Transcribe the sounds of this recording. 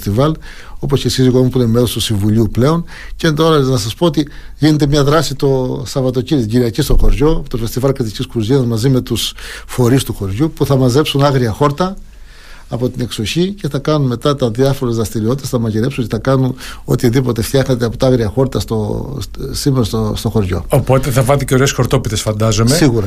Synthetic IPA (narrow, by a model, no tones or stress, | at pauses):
t̪ivɐl | o̞po̞scesiziɣomupunemelost̪usiɱvuʎiuple̞o̞ncent̪o̞ɾɐnɐsɐspo̞ot̪iʝinet̪̬e̞mɲɐðɾɐsit̪o̞sɐvɐt̪o̞ciɾit̪iɟiɾiɐcist̪o̞xo̞ɾʝo̞t̪o̞fe̞st̪ivɐlkɾit̪iciskɾuzinɐzmɐzime̞t̪usfo̞ɾist̪uxo̞ɾʝupuθɐmɐze̞psunɐɣɾiɐxo̞ɾt̪ɐ | ɐpo̞t̪ine̞ksoçice̞θɐkɐnunme̞t̪ɐt̪ɐðiɐfo̞ɾezðɾɐst̪iɾiot̪it̪ɐsθɐmɐciɾe̞psunceθɐkɐnuno̞̰t̪iðipo̞t̪e̞ft̪çɐxnet̪̬eɐpot̪ɐɐɣɾiɐxo̞ɾt̪ɐst̪o | simeɾost̪ost̪o̞xo̞ɾʝo̞̰opo̞t̪e̞θɐvɐt̪iceo̞ɾesxo̞ɾt̪o̞pit̪esfɐnd̪ɐzo̞mesiɣuɾɐ